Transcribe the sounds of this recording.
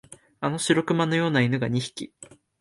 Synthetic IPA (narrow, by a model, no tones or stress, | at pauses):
ano̞ɕiɾo̞kɯ̟mano̞jo̞ːnainɯ̟ɡaɲ̟içi̥kʲi